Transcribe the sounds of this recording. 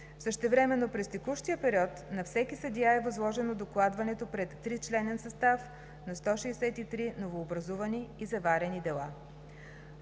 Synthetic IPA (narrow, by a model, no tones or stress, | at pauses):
fsəʃt̪ɛvɾɛmɛnːopɾɛst̪ɛkuʃt̪ijəpɛɾiɔt̪nɐfsɛkisɐd̪jaɛvɐzlˠɔʒɛnod̪oklˠad̪vɐnɛt̪opɾɛt̪ːɾit͡ʃlɛnɛnsɐst̪af | nɐst̪ɔʃɛːsɛt̪it̪ɾinovoːbɾɐzuvɐniːzɐvaɾɛnid̪ɛlˠa